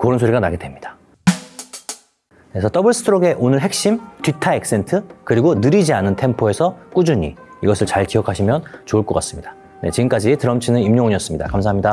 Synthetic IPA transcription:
koɾɯnsʰoɾiɡana̰ɡede̞mɲid̥ḁ | kesʰʌt͈ʌbɯɭs͈ʰɯ̥tʰɾoɡe̞ʔonɯɭɦe̞k̚ɕ͈imtɥitʰae̞k̚s͈e̞ntʰɯkɯɾiɡonɯɾid͡ʑianɯntʰe̞mpʰoe̞sʰʌk͈ud͡ʑuɲḭiɡʌsʰɯɭt͡ɕaɭkijʌkʰaɕʰimjʌnt͡ɕouɭk͈ʌk͈as͈ɯ̥mɲid̥ḁ | ne̞̰t͡ɕiɡɯmk͈ad͡ʑitɯɾʌmt͡ɕʰinɯnimɲoŋɲiʌs͈ɯmɲida̰kamsʰaɦamɲida

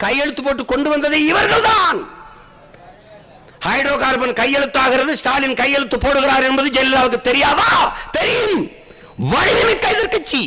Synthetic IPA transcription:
kɐjɛɻɯt̪ːɯpːoːʈːɯkːɔɳɖɯʋɐnd̪ɐðɯɪʋɐɾɣɐɭd̪aːn | hɐɪɖɾoːkaːɾbɐnkɐjːɛɻɯt̪ːaːɣɪɾɐðɯsʈaːlɪnkɐjːɛɻɯt̪ːɯpːoːɽɯɣɪɾaːɾɛnbɐðɯd͡ʒɛlːɪðaːʋɯkːɯt̪ːɛɾɪjaːʋaːt̪ɛɾɪjɯm | ʋɐɻɪmɪmɪkːɐjɪðɪɾkːɯt͡ʃːi

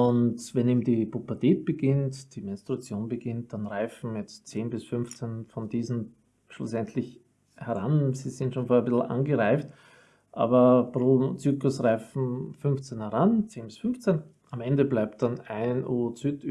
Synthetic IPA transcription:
ʊntvɛniːmdipupɐteːt̚b̥əɡ̥ɪntd̥imɛnstʁ̥uat͡sjoːnbəɡ̥ɪnt̚d̥anʁaɪfn̩jɛt͡st͡seːnbɪsfʏnft͡senfɔndiːzn̩ | ʃlʊ̰sɛntʰlɪç | hɛʁa̰nsiːzɪntʃoːnfoɐəbɪsl̩ʔa̰nɡəʁaɪçt | ʔa̰ːbɐpʁoːt͡syːklʊsʁaɪfn̩fʏnft͡senhɛʁant͡seːnbɪsfʏnft͡sen | amɛndəblaɪp̚t̚d̥anaɪnʔuːt͡syt

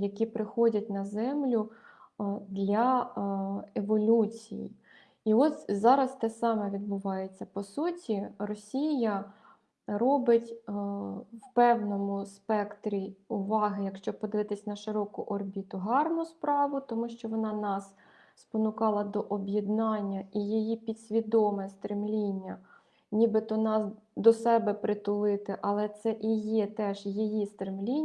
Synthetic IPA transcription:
jɐkʲipɾɪxɔdʲɐt̚ʲnɐzɛmlʲʊ | d̪lʲɐ | eʋɔlʲut͡sʲḭjḭ | iɔsʲzɑɾɐst̪ɛsɑmɛʋʲid̪̚bʊʋɑjet͡sʲːɐpɔsutʲirɔsʲijɐ | ɾɔbɪtʲ | wpɛwnɔmʊspɛkt̪ɾʲiʊʋɑɦɪjɐkʃt͡ʃɔpɔd̪ɪʋɪt̪ɪsʲnɐʃɪɾɔkʊʔɔrbʲit̪ʊɦɑrnʊspɾɑʋʊt̪ɔmuʃt͡ʃɔʋɔnɑnɑs | spɔnʊkɑlˠɐd̪ɔʔɔbʲjɛd̪nɑnʲːɐijijipʲid̪sʲʋʲid̪ɔmɛst̪ɾɪmlʲinʲːɐ | nʲibɪt̪ɔnɑsd̪ɔsɛbɛpɾɪt̪ʊlˠɪt̪ɪʔɐlˠɛt̪sɛʔijɛt̪ɛʒjijist̪ɾɪmlʲinʲ

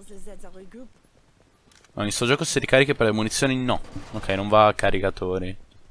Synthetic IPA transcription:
ma̰nilsuod͡ʒɔːkosiɾikaɾikipeɾlemunit̪sːjoːninɔokʰːɛjnõɱvakːaɾikat̪ʰoːɾi

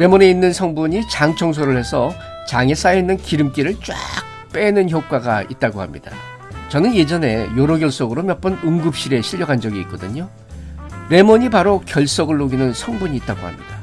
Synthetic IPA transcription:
ɾe̞mʌne̞inːɯnsʰʌŋbuɲit͡ɕaŋt͡ɕʰʌŋs̬ʰoɾɯɭhe̞sʰʌ | t͡ɕaŋe̞s͈ajeinːɯnkiɾɯmk͈iɾɯɭt͡ɕ͈wa̰k̚ | p͈e̞nɯnçjok̚k͈waɡait̚t͈aɡohamɲida̰ | t͡ɕʌnɯnje̞d͡ʑʌne̞joɾoɡjʌɭs͈ʌɡɯɾomjʌp͈ʌnɯŋɡɯp̚ɕ͈iɾe̞ɕʰiʎːʌɡand͡ʑʌɡiːk̚k͈ʌdɯɲo | ɾe̞mʌɲipaɾokjʌɭs͈ʌɡɯɭːoɡinɯnsʰʌŋbuɲiːt̚t͈aɡo̰ha̰mɲḭda

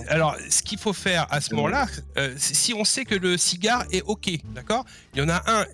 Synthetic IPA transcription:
alɔʁsə̥kʲilfofɛʁasəmɔmɑ̃laøsɛsiɔ̃sɛkələsiɡʲaʁɛɔkʲed̪akɔːʁ | ljɑ̃naʔɛ̃

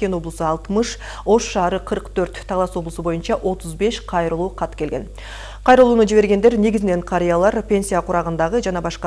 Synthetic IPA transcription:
kʲe̞no̞blˠəsɯɑlˠt̪məʃ | o̞ʃːɑːɾəqʰəɾqt̪ʰɵɾt̪ʰːɑlˠɑswo̞blˠəsəbo̞junʃɑʔo̞t̪ʊzbe̞ʃqʰɑjɾəlˠuːqʰɑt̪kʲʰe̞lɡʲe̞̰n | qʰɑjɾəlˠuːnud͡ʒiβe̞ɾɡʲe̞nd̪e̞ɾne̞ɡʲɪzɪne̞ɴqʰɑɾʲijalˠɑɾpʲe̞nʲsʲijaqʰuɾɑʁənd̪ɑʁəd͡ʒɑnɑbɑʃqɑ

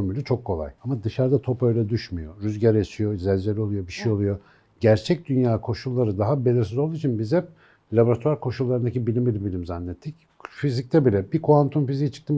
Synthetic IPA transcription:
milʲit͡ʃʰo̞kʰːo̞lˠa̰jamad̪ɯʃaɾd̪at̪ʰo̞pø̞jlʲɛd̪yʃmyjo̞̰ɾyzɟaɾjat͡ʃijo̞izɛlʲd͡ʒelʲo̞lˠujo̞biʃijo̞lˠujo̞ | ɟæɾt͡ʃʰɛc̚d̪ynjaːkʰo̞ʃulˠːaɾɯd̪aɦabe̞lʲiɾsizolˠuit͡ʃʰinbizɛp̚ | lʲabo̞ɾat̪ʰuaɾkʰo̞ʃulˠːaɾɯnd̪acibilʲimbilʲibilʲimzanːɛt̪ʰːic | fizic̚t̪ʰɛbilʲɛbikʰuant̪ʰumfizijt͡ʃʰɯ̥k̚t̪ʰɯm

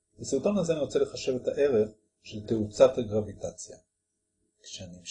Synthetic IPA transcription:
besut̪onazeaniʁot͡sele̞χaʃe̞ve̞taʔe̞ʁeχ | ʃelteut͡sathaɡʁavitat͡sja̰ | kʃeani

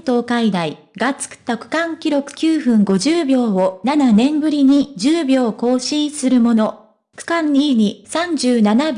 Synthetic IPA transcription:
t̪o̞ːkaid̪ai | ɡat͡sɨ̥kɯ̥t̪ːakɯ̟̥kãŋkʲiɾo̞kɯ̟̥kʲɨːɸɯ̟̃ŋɡo̞ʑɨːbʲo̞ːonananẽ̞mbɯ̟ɾʲiɲ̟id͡ʑɨːbʲo̞ːko̞ːɕĩːɰsɨɾɯ̟mo̞no̞ | kɯ̟̥kãɲ̟ːiɲ̟isãɲd͡ʑɨːnanab

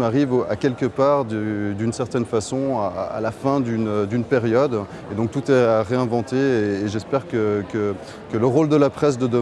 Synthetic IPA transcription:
maʁiva̰kʲɛlkəpaʁd̪əd̪ynsɛʁt̪ɛnfasɔ̃aa̰lafɛ̃d̪ynd̪ynpeʁjɔd̪ | ed̪ɔ̃k̚t̪ut̪ɛaʁeɛ̃vɑ̃t̪eeːʒɛspɛʁkəkə | kələʁold̪əlapχɛs̬d̪əd̪ə

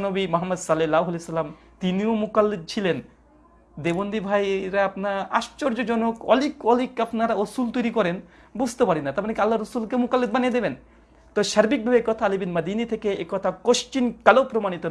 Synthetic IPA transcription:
nobimoɦamːɐd̪salelawɦulesalam | t̪iniomukalːed̪̚t͡ɕʰilen | d̪ebond̪ibʱajɾaapnaa̰ʃt͡ɕoɾd͡ʑod͡ʑɔnokɔlikɔlikapnaɾaosult̪ojɾikɔɾen | bud͡ʑʱt̪epaɾinːat̪amaɾekalːaɾːosulkemukalːed̪banijed̪eben | t̪ɔʃɐɾbik̚bʱabekɔt̪ʰaalibinmɐd̪init̪ʰekeekɔt̪ʰakoʃt͡ɕinkalopɾomanit̪o

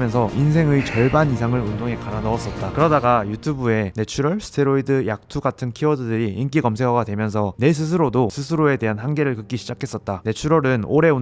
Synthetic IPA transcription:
mjʌnsʰʌʔinsʰe̞ŋɯit͡ɕʌɭbanisʰaŋɯɾundoŋe̞kananʌʌs͈ʌt̚t͈akɯɾʌdaɡajutʰubue̞ne̞t͡ɕʰuɾʌɭsʰɯ̥tʰeɾoidɯjak̚tʰuɡatʰɯnkʰiʌdɯdɯɾiʔink͈iɡʌmsʰeŋɦʌɡadwe̞mjʌns̬ʰʌne̞s̬ʰɯs̬ʰɯɾodosʰɯsʰɯɾoe̞de̞ɦanhaŋɡe̞ɾɯɭkɯk͈iɕʰid͡ʑakʰe̞s͈ʌt̚t͈ane̞t͡ɕʰuɾʌɾɯnoɾe̞u

